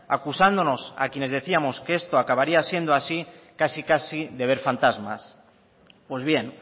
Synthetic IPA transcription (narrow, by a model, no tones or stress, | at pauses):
akusand̪o̞no̞sa̰kje̞ne̞zðe̞θiamo̞skee̞st̪oakaβaɾiasje̞nd̪oasikasikasiðe̞β̞e̞ɾfant̪azma̰s | pwe̞zβ̞je̞n